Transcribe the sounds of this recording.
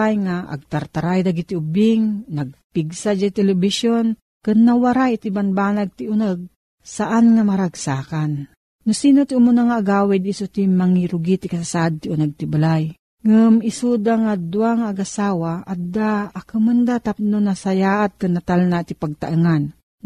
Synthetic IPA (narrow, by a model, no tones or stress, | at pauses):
ajŋaʔa̰ɡ̚t̪aɾt̪aɾajd̪aɡit̪iʊbɪŋnaɡ̚piɡsad͡ʒat̪ɛlɛbisjon | kɨnːawaɾajit̪ibanbaːnaɡ̚t̪iʊnəɡ̚ | saʔanŋamaɾaɡsaːkanː | ʊsiːnot̪iumunaŋaːɡaːwɛd̪isut̪imaŋiɾʊɡit̪ikasasaʔd̪̚t̪iunaɡ̚t̪ibalaj | ŋɨmisud̪aŋad̪uaŋaːɡasaːwaad̪aːkɨmɨnd̪at̪ap̚nonasajaːʔat̪̚kɨnːat̪alnat̪ipaɡ̚t̪a̰ʔɨŋan